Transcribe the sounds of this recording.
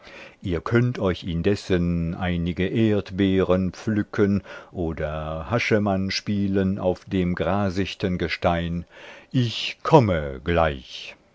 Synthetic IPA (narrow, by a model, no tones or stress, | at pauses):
ʔiːɐkʰœntʰɔʏçɪndɛsənʔa̰ɪnɪɡəʔeːɐtbeːʁənp͡flʏkʰənʔoːdɐhaʃəmanʃpiːlənʔa̰ʊfd̥eːmɡʁaːzɪçtənɡəʃtaɪnʔɪçkʰɔməɡ̥laɪç